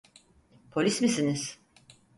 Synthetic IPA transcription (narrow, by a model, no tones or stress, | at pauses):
pʰo̞lʲismisiniz̥